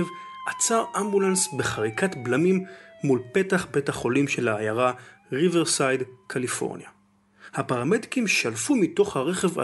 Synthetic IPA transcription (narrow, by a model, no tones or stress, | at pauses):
vʔat͡saʁʔambulansbeχaʁikatblamimːulpe̞taχbe̞thaχo̞limʃe̞laːjaʁa | ʁiveʁsajdkʰalifo̞̰ʁnja | hapaʁameti̥kimʃalfumito̞χhaʁe̞χeva̰